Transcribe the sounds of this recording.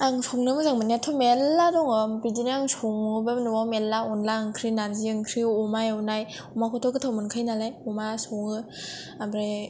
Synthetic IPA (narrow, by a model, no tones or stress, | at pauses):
aŋsɔŋnɯmɯzaŋmɯnetʰɔmelːadɔŋɯmbidiniaŋsɔŋɯbemnɯwawmelːaɔnlaɯŋkʰɾinaɾziɯŋkʰɾiɔmajunaj | umakʰɔtʰɔkɯtʰawmɯnkʰɯjnalajɔmasɔŋɯ | amɾe